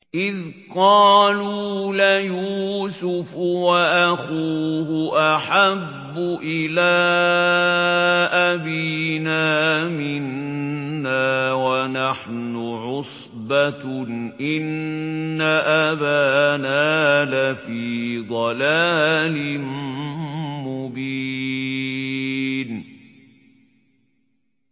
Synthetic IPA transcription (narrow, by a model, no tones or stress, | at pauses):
ʔɪðqɑːluːlajuːsʊfwaʔaxuːhʊʔaħabːʊʔɪlaː | ʔabiːnaːmɪnː | aːwanaħnʊʕʊsˤ | baʔɪnː | aʔabanaːlafiːd̪ˤɑlaːlɪn | mʊbiː | n